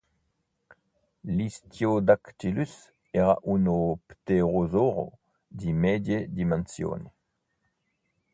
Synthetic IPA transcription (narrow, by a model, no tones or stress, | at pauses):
listjod̪akt̪ilys | ɛʁa̰ʔunopt̪eʁozoʁo̰ | dimɛdjed̪imansjo̰ːne